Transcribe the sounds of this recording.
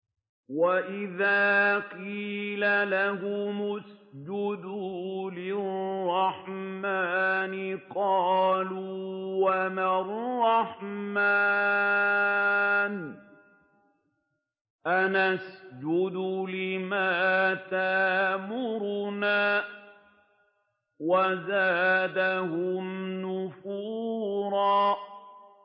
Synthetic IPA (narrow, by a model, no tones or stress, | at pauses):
waʔɪðaːqiːlalahʊmʊsd͡ʒʊd̪ʊlɪrrˤɑħmaːnɪqɑːluːwamarˤːɑħma | n | ʔanasd͡ʒʊd̪ʊlɪmaːt̪aʔmʊɾnaː | wazaːd̪ahʊmnʊfuːɾɑː